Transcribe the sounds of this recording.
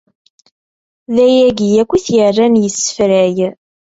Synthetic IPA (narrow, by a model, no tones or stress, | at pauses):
ðæjæɡijækʷːiθjərːænjəsːə̥fɾæj